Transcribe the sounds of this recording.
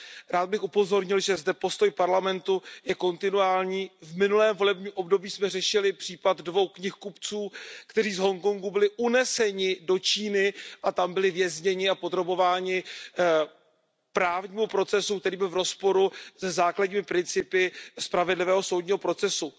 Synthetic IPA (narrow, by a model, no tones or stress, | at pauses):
ɾaːd̪̚bɪxʔupo̞zo̞ɾɲɪlʒɛzdɛpo̞st̪o̞jpaɾlamɛnt̪ujɛko̞nt̪ɪnuaːlɲiːvmɪnulɛːmvo̞lɛbɲiːmʔo̞bdo̞biːsmɛrɛʃɪlɪpr̥iːpat̪dvo̞wkɲɪxkupt͡suːkt̪ɛriːzɦo̞ŋkoŋɡubɪlɪʔunɛsɛɲɪdo̞t͡ʃiːnɪʔat̪ambɪlɪvjɛzɲɛɲɪapod̪ɾo̞bo̞vaːɲɪ | pɾaːvɲiːmupɾo̞t͡sɛsuk̚t̪ɛɾiːbɪlvɾo̞spo̞ɾuzɛzaːkladɲiːmɪpɾɪnt͡sɪpɪspɾavɛdlɪvɛːɦo̞so̞wdɲiːɦo̞pɾo̞t͡sɛsu